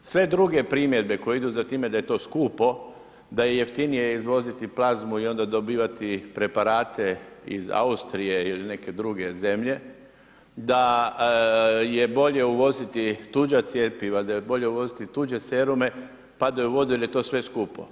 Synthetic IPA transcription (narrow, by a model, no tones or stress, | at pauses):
sʋe̞d̪ɾuɡe̞pɾiːmje̞d̪be̞ko̞jeid̪uzat̪iːme̞d̪aje̞t̪o̞ːskuːpo̞ | d̪aje̞je̞ft̪inijeizʋo̞zit̪iplazmuio̞nd̪ad̪o̞biːʋat̪ipɾe̞paɾaːt̪e̞ḭza̰ust̪ɾije̞iline̞ke̞d̪ɾuɡe̞ze̞mʎe̞ | d̪a | je̞bo̞ʎe̞uʋo̞zit̪it̪ud͡ʒat̪sjepiʋad̪ajebo̞ʎe̞uʋo̞zit̪it̪uːd͡ʒe̞seɾume̞ | pad̪ajuʋo̞d̪uilje̞t̪o̞ːsʋe̞skuːpo̞̰